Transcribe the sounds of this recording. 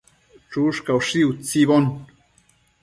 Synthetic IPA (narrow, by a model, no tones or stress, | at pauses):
ʈ͡ʂuʂkawʂiwt͡siβon